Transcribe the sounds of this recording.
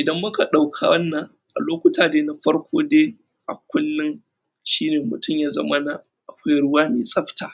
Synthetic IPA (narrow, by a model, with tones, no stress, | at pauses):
ʔɪ˨dɐ˦mːʊ˦ka˨ɗa˨wkʰa̰˨wɐ˦nːa˨ | ʔa̰˨loː˦kʷʊ˦taː˨deː˦na˦ɸɐ˦ɽkʷʰoː˦deː˦ | ʔa̰˨kʷʊ˦lːɪ˦ŋ | ʃiː˦neː˨mʊ˨tʰʊ˦mjaː˦zɐ̰˦mɐ˦na˨ʔa˨kʷa˦jɽʊ˦waː˦meː˨sʼɐ˦ɸtʰaː˨